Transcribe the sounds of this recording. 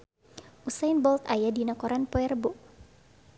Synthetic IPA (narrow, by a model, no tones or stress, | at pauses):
ʔusajnbɔlt̪ajadinakɔɾanpɔɛrboʔ